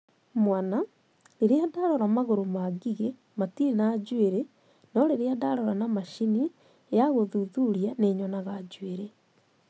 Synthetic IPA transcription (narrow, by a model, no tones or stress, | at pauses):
mwana | leɾeadaɾɔɾamaɣoɾomaɡiɣe | matiinaːd͡ʑweɾe | nɔɾeɾeadaɾɔɾanamaʃini | jaɣoðuðuɾianeɲɔnaɣad͡ʒweɾe